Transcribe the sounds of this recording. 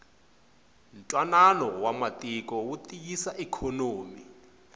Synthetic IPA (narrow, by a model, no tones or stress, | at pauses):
n̩tʼwananɔwamatʼik̬ʼɔwutʼikisaʔɛkʰɔnoːmi